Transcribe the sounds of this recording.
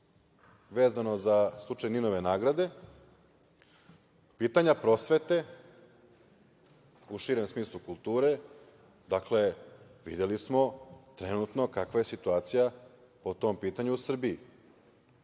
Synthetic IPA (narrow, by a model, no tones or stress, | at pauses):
ʋe̞ːzano̞zaslˠut͡ʂajnino̞ʋe̞naːɡɾad̪e̞ | piːt̪aɲapɾo̞sʋe̞t̪e̞ | uʃiːɾe̞msmiːslˠukulˠt̪uːɾe̞ | d̪akle̞ʋḭd̪je̞lismo̞t̪ɾe̞nut̪no̞kakʋaje̞sit̪uaːt̪sija | pot̪o̞mpiːt̪aɲuːsr̩bii